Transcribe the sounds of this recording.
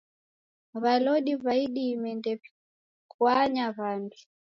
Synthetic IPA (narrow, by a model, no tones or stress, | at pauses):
βalɔɗiβaiɗiːmɛndɛpi | kwaɲaβanbi